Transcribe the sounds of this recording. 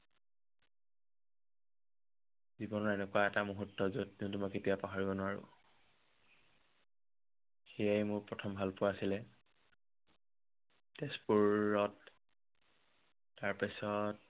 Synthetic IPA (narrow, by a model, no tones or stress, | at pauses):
zibɔnɔɹɛnɛkuwaɛtamuɦutːɔzotːintumɔjketijapaɦaɹibɔnʊaɹʊ̰ | xejajmʊɹpɹɔtʰɔmbʱalpʊaasilɛ | despuɔt | aɹpasɔt̚